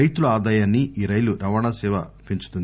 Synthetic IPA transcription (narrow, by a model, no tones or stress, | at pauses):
ɐjt̪uluaːd̪aːjaːnːiiːɾɐjluɾɐʋaːnaːsɛːʋɐpiɲt͡ʃu̥t̪und̪